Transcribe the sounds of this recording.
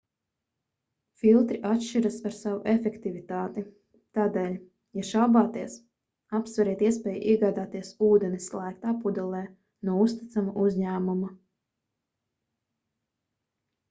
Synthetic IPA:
filˠt̪ɾiʔat̪ʃt͡ʃiɾasaɾsavṵʔefʲɛkt̪ivit̪aːt̪i | t̪aːd̪ɛːlʲ | jaʃawbaːt̪iɛs | apsvaɾɛːt̪iɛspʲɛːjṵʔiɛɡaːd̪aːt̪iɛsuːd̪ɛnislˠajkt̪aːpud̪ɛlˠɛː | nuɔust̪it̪samuʔuzʲɲæːmuma

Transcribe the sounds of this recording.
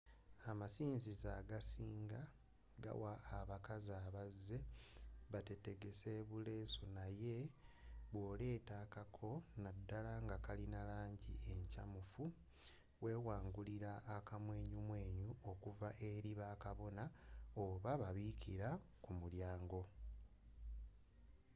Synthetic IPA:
amasiːnzizaɡasiːŋɡa | ɡa̰waːβakazaːβazːe̞βate̞te̞ɡe̞se̞βule̞ːsunaje̞ | βwo̞ːle̞ːtaːkakʰo̞nadːalaŋɡakalinalaːɲɟḭe̞ɲca̰mufu | we̞ːwaːŋɡuliɾaːkamwe̞ːɲumwe̞ːɲuo̞kuvaʔe̞ɾiβaːkaβo̞naoβaβaβiciɾa | kumuljaːŋɡo̞

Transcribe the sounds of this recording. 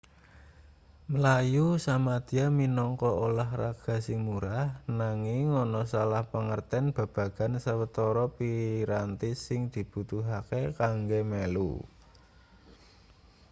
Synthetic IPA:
məlajusamad̪̥iaminɔŋkɔolahra̰ɡ̥a̤simuɾahnaŋɪŋːɔnɔsalahpəŋərt̪ɛnb̥a̤b̥ä̤ɡ̥a̤nsəwət̪ɔɾɔpiɾant̪ɪsːɪŋd̪̥i̤b̥ṳt̪uɦakekaŋɡemelṵ

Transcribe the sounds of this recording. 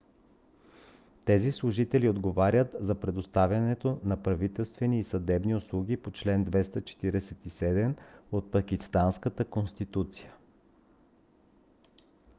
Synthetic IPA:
t̪ɛzislˠʊʒit̪ɛliod̪ɡovaɾʲjət̪zɐpɾɛd̪ost̪avʲɐnɛt̪onɐpɾɐvit̪ɛlˠst̪vɛniːsɐd̪ɛbniʊslˠuɡʲipot͡ʃlɛnd̪vɛst̪ət͡ʃɛ̥t̪iɾɛsɛt̪isɛd̪ɛmot̪̚pɐkist̪anskət̪əkonst̪it̪ut̪si̥jə

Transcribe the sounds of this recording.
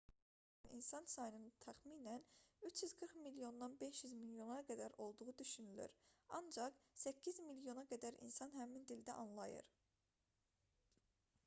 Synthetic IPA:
nḭnsɑnsɑjɯnɯnt̪ʰæχmiːnænyt͡ʃʰjyzɡɯɾχmiljo̞nd̪ɑnbe̞ʃjyzmiljo̞nɑɡæd̪æɾo̞lˠd̪uʁud̪yʃynyly̰ɾɑ̰nd͡ʒɑχsæcʰːizmiljo̞nɑɡæd̪æɾʔḭnsɑnhæmind̪ild̪æʔɑnlˠɑjɯ̰ɾ

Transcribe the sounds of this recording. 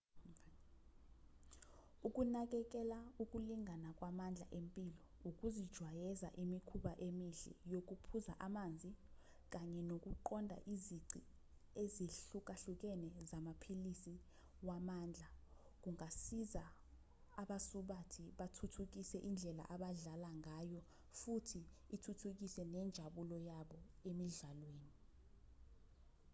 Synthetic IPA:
uk̬ʼunak̬ɛk̬ɛlauk̬ʼuliŋʱanak̬ʼwamand͡ɮʱa̰ʔempʼilɔ | uk̬ʼuzid̥ʒ̥ʱwajɛza̰ʔimikʰuɓaʔemiɬɛ̰jok̬upʰuzaʔamand͡zʱi | k̬aɲɛnok̬uǃɔndʱa̰ʔiziɡ͡ǀʱi | eziɬuk̬ʼaɬuk̬ɛnɛzamapʰilisi | wamaːnd͡ɮʱa | k̬uŋasiza | aɓasuɓatʰiɓatʰutʰuk̬isɛʔind͡ɮʱɛla̰ʔaɓaɮalaŋajɔ | futʰiːtʰutʰuk̬isɛnɛnd͡ʒʱaɓulɔjaɓɔemiɮalweːni

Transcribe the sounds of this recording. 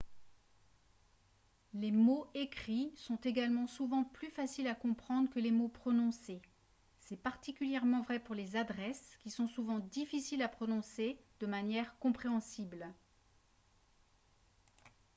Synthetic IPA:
lemoekχisɔ̃t̪eɡalmɑ̃suvɑ̃plyfasilakɔ̃pχɑ̃d̪ʁəkəlemopχɔnɔ̃se | sɛpaʁt̪ikʲyljɛʁmɑ̃vʁɛpuʁlezad̪ʁɛskʲisɔ̃suvɑ̃d̪ifisilapχɔnɔ̃sed̪̥əmanjɛʁkɔ̃pχeɑ̃sibl

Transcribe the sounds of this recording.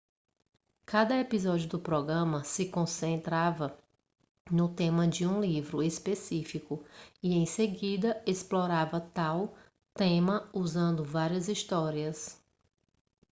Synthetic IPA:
kad̪ɐepizɔd͡ʒijʊd̪ʊpɾɔɡɾɐ̃mɐsɪkõsẽnt̪ɾavɐ | nʊt̪ẽmɐd͡ʒɪũlivɾʊespesifikʊiẽj̃seɡid̪ɐesplɔɾavɐt̪aw | t̪ẽmɐuzɐ̃nd̪ʊvaɾiɐzist̪ɔɾiɐs

